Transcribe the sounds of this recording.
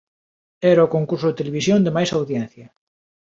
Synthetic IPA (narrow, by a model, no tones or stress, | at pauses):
ɛɾaokoŋkuɾsʊðet̪eleβisjond̪emajsawðjɛ̃n̟θjɐ